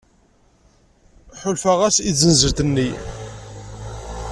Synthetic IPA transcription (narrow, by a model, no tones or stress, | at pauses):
ħʊlfæʁæsizənzəɾθənːi